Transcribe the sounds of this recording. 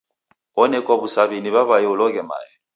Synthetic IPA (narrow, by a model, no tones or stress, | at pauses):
ɔnɛkʼwaβusaβiniβaβajɛulɔkɛma̰ːjɛ